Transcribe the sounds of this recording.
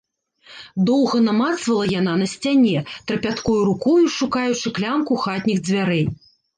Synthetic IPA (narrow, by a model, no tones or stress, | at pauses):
d̪ɔwɣɐnamat̪svɐlˠɐjananɐsʲt͡sʲanʲɛt̪ɾɐpʲat̪kɔjuɾukɔjuʂukajut͡ʂɨklʲamkuxat̪ʲnʲiɣd͡zʲvʲaɾɛj